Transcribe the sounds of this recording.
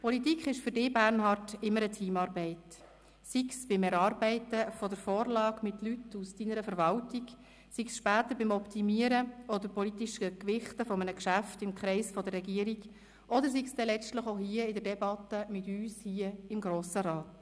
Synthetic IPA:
pʰɔlit̪ikχɪʃfʏɾdɪːbæɾnhɑrtɪmːəɾətʰiːmɑːɾbɛɪt | siksb̥ɪmɛɾɑːɾbɛɪtəfɔdəɾfoːɾlɑːɡmɪtlytusd̥inəɾəfəɾvɑltiɡ | siksʃpæːt̪əɾbɪmɔpt̪ʰimiəɾəɔd̪əɾpɔlit̪iʃəkʋɪχtəfɔmənəkʃæftɪmkχɾɛɪsfɔd̪ərːɛɡiəɾiɡ | ʔɔd̪əɾs̬iksd̥ɛlɛt͡stləχoʊhiəɪdəɾdɛbɑt̪əmɪtyːshiːəɪmɡɾoːsəɾɑːt

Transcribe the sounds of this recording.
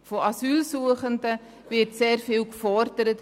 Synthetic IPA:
foɑsyːlsuəχəndə | vɪtseːɾfɪːwkfɔrd̥əɾət

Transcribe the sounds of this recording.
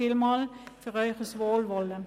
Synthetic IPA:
ɪlmɑlfœʁœʏχəsʋoːlʋɔlə

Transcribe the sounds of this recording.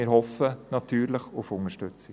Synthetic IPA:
ɪəɾhɔfənɑt̪ʰyːɾləχʊfʊŋəʃtʉt͡sɪ

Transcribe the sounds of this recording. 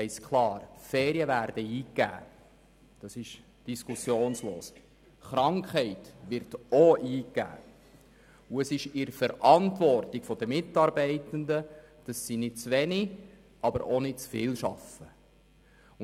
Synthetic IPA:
ɛɪskʰlɑːɾfɛːɾiəvæɾd̥əiːkːæ̰ː | d̥ɑsɪʃ | d̥iskʰusjoːnsloːs | χɾɑŋkχhɛɪtʋɪɾtɔiːkːæ̰ː | uəsɪʃɪɾəfəɾʔɑntʋɔrtɪɡ̥fɔd̥̪əmɪtːɑɾbɛɪtəndə | d̥ɑsːinɪd̥̚t͡sʋɛni | ʔɑbəɾɔnɪt̚t͡sfɪːlʃɑfə | ʊ

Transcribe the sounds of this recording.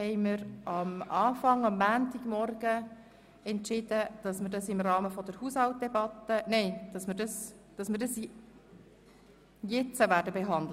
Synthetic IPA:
ɛɪməɾɑmɑːfɑŋɑmːæːntiɡ̥mɔrɡ̥ə | ɛntʃɪd̥əd̥ɑsməɾdɑsɪmrɑːməfɔd̥̪əɾhushɑlt̚d̥ɛbɑt̪ːənɛɪd̥ɑsmədɑs | d̥ɑsmɪɾdɑs | jɛt͡səʋæːdəbeɦɑndl

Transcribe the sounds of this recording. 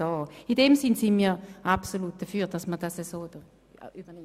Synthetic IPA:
oːidɛmsɪnsɪnmiːʔapsoluːt̚d̥ɐfyːd̥asməd̥asəsoːd̥ə | ybɐɛ

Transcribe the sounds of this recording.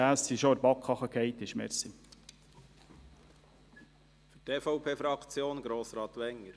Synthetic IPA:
æːssiʃoəɾbɑkʰχɑχəkʰhɛɪt̪ɪʃmɛ̰ɾsi | fyteːfɔʊpʰeːfɾɑkt͡sjoːnɡɾoːsɾɑːt̪ʋɛŋːəɾ

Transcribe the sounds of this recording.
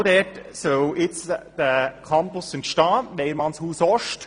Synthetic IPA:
dɛtsœwɪt͡sd̥̪əkʰɑmpʊsəntʃtɑːʋɛɪəɾmɑnshuːsɔʃt

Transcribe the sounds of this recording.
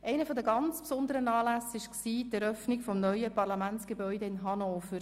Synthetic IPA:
ʔɛɪnəfɔd̪əɡɑnt͡spsʊnd̪əɾənɑːlæsɪʃksiːtɛɾœfnikfɔmnœʏəpɑrlɑmænt͡sɡ̥ebœʏdəɪnɦɑnoːfəɾ

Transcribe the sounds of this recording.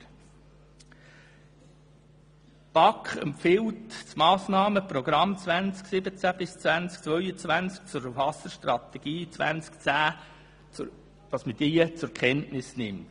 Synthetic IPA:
b̥ɑkχɛ̰mpfɪwtt͡smɑːsnɑːməprɔɡ̥ɾɑmt͡svænt͡sksɪbət͡sæb̥ɪst͡svænt͡sk̚t͡sʋœʏət͡sʋænt͡sk̚t͡sʊɾəfɑsəʃtrɑt̪ɛɡ̥iːt͡svʋæ̰nt͡skt͡sæː | d̥ɑsməd̥iːt͡sʊɾkχɛntnɪsnɪmt

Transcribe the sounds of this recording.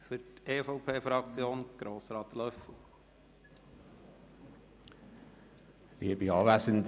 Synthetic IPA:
fʏɾteːfɔʊpʰeːfɾɑkt͡sjoːnɡ̥ɾoːsɾɑːt̪lœfə | ʋiəbiɑːʋæːsənd

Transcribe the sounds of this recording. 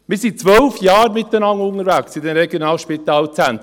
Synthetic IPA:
mɪːɾsit͡sʋœlfjɑːɾmɪt̪dənɑŋːʊŋəɾvæksɪdɛmɾeɡjonɑːlʃpit̪ɑːlt͡sænt̪

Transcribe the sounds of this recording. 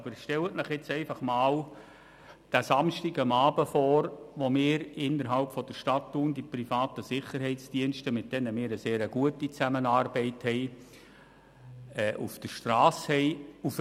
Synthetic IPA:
ɑbəɾʃtɛlətnəχjɪt͡sɛɪfɑχmɑːl | d̥æsɑmʃtiɡəmɑːbəfɔːɾʋomɪːɾɪnːəɾɦɑlpfɔd̥əɾʃtɑtːund̥iprifɑːtəsɪχəɾɦɛɪt͡sd̥iənʃtəmɪt̚d̥ɛnəmɪːɾəseːɾəɡ̥uətit͡sæmənɑːrbɛɪthɛɪ | ɛːʔufd̥əɾʃtrɑːshɛɪuf

